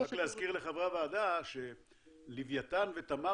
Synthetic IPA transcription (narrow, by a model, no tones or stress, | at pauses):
akleazkiʁleχavʁavaːd̪aʃe̞ | livjat̪anve̞t̪ama